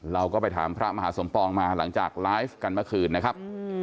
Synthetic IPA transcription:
ɾa˧wkɔː˥˩pa˧jt̪ʰa̰ː˩˦mpʰɾa˦˥ma˧ɦaː˩˦so˩˦mpɔː˧ŋmaː˧la̰˩˦ŋt͡ɕa̰ː˨˩k̚laː˦˥jfka˧nmɯ˥˩əkʰɯː˧nːa˦˥kʰa˦˥p̚

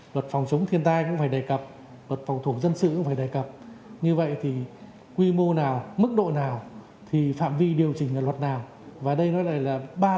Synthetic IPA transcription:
lwə˨˩t̚fa˨˩wŋ͡mt͡ɕʊ˨˦wŋ͡mt̪ʰi˧ənt̪aː˧jkʊ̰˧˥ŋ͡mfaː˧˩jɗe˧˩jkə˨˩p̚ | lwə˨˩t̚fa˨˩wŋ͡mt̪ʰu˧˩zə˧nsɨ̰˧˨kʊ̰˧˥ŋ͡mfaː˧˩jɗe˧˩jkə˨˩p̚ɲɨ˧və̰˧˨jt̪ʰi˨˩ | kwi˧mo˧naː˨˩wmɨ˦˥k̚ɗo̰˧˨naː˨˩w | t̪ʰi˨˩fa̰ː˧˨mvi˧ɗi˨˩əwt͡ɕï˨˩ŋ̟ʔaː˧˩lwə˨˩t̚naː˨˩w | vaː˨˩ɗə˧jnɔ˨˦jla˧˨˩jlaː˨˩ɓaː˧

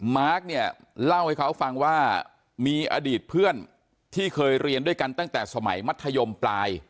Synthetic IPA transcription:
maː˦˥k̚ni˥˩ə | la˥˩wha˥˩jkʰa˦˥wfa˧ŋwaː˥˩ | miː˧ʔa̰ː˧diː˨˩t̪̚pʰɯ˥˩ən | t̪ʰiː˥˩kʰɤː˧jɾi˧əndu˥˩əjka˧nt̪a˥˩ŋt̪ɛː˨˩sa˧ma˩˦jma˦˥t̪ʰːa˧jo˧mplaː˧j

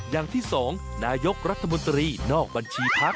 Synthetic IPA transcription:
jaː˨˩ŋt̪ʰiː˥˩sɔː˩˦ŋ | naː˧jo˦˥k̚ɾa˦˥t̪ʰːa˧mo˧nt̪ɾiː˧nɔː˥˩k̚ba˧nt͡ɕʰiː˧pʰa˦˥k̚

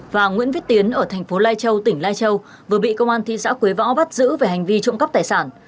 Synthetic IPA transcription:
vaː˨˩ŋwḭ˧˥nvi˦˥t̚t̪i˨˦ənʔəː˧˩t̪ʰɛ˨˩ŋ̟fo˨˦laː˧jt͡ɕə˧wt̪ï˧˩ŋ̟laː˧jt͡ɕə˧w | vɨ˨˩əɓḭ˧˨kə˧wŋ͡mʔaː˧nt̪ʰḭ˧˨sa̰ː˧˥kwi˨˦vɔ̰˧˥ɓa˦˥t̚zɨ̰˧˥ve˨˩ha˨˩jŋ̟vi˧t͡ɕʊ̰˧˨ŋ͡mkə˦˥p̚t̪aː˨˩jsaː˧˩n

